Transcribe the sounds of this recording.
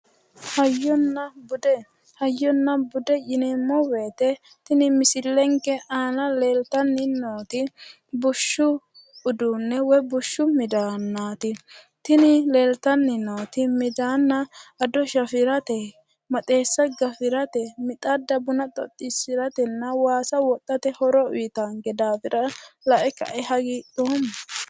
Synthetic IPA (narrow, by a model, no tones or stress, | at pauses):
hɐjːɔnːɐbʊd̪ɛ | hɐjːɔnːɐbʊd̪ɛjɪnɪmːɔwe̞ːt̪ɛ | t̪ɪnɪmɪsɪlːɛŋkɛʔaːnɐleːlt̪ɐnːɪnoːt̪ɪ | bʊʃːʊ | ʊd̪ʊnːɛwɔjbʊʃːʊmɪd̪aːnːaːt̪ɪ | t̪ɪnɪleːlt̪ɐnːɪnoːt̪ɪmɪd̪aːnːɐɐd̪ɔʃɐfɪɾɐt̪ɛ | mɐt̪ʼe̞ːsːɐɡɐfɪɾɐt̪ɛmɪt̪ʼɐd̪ɐbʊnɐt̪ʼɔ̰t̪ʼːɪsɪɾɐt̪ɛnːɐwaːsɐwɔt̪ʼːɐt̪ɛhɔɾɔʊjt̪aŋɡɛd̪aːfɪɾɐlɐʔɛkɐ̰ʔɛɦɐɡit̪oːm